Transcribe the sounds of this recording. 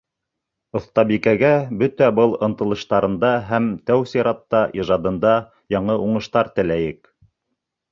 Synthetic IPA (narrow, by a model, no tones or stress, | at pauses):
ŏθt̪ɑbikæɡæbɵt̪æbɤlˠɤ̆nt̪ɤ̆lˠɤ̆ʃt̪ɑɾɤ̆nd̪ɑɦæmt̪æwsiɾɑt̪ːɑʔiʒɑd̪ɤ̆nd̪ɑ | jɑɴɤʔuɴɤ̆ʃt̪ɑɾt̪ɘ̆læjɘk